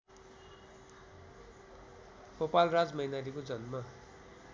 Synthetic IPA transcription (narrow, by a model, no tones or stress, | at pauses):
ɡ̥opalrad͡zmʌɦinalikod͡zʌnma